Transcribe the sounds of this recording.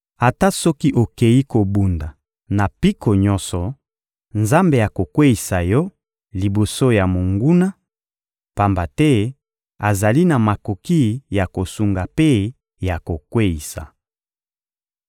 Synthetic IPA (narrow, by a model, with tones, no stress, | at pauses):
a˨ta˦sɔ˦ki˦ʔo˨ke˨ji˦ko˨bu˨nda˨ | na˨pi˦ko˨ɲɔ˦sɔ˨ | nza˦mbe˨ja˨ko˨kwe˦i˨sa˨jɔ˦ | li˨bo˨so˦ja˨mo˨ŋɡu˦na˦ | pa˨mba˨tɛ˦ | a˨za˨li˦na˨ma˨ko˨ki˦ja˨ko˨su˨ŋɡa˨pe˦ | ja˨ko˨kwe˦i˨sa̰˨